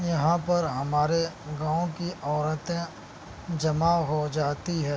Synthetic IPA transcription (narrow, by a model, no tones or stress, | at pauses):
jɐɦãpɐɾɦɐmaːɾeɡãːõkiʔɔːɾət̪ẽ | d͡ʒɐmaɦod͡ʒaːt̪iɦɛː